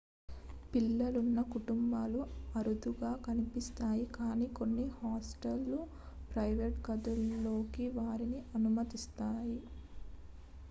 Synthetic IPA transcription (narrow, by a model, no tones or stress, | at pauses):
pilːɐlunːɐkuʈumbaːluɐɾud̪uɡaːkɐnipist̪aːjikaːniːko̞nːihaːsʈɐlːu | pɾɐjʋeʈɡɐd̪ulːo̞ːkiʋaːɾiniʔɐnumɐt̪ist̪aːji